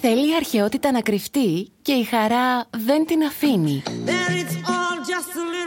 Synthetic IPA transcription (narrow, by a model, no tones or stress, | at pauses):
θe̞liːɐɾçe̞o̞t̪it̪ɐnɐkɾift̪ice̞ixɐɾɐðe̞nt̪inɐfiniðənɪtsɔlˠd͡ʒʌstəlɪ